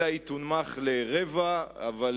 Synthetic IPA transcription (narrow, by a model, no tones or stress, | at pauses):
ait̪unmaχleʁevaːval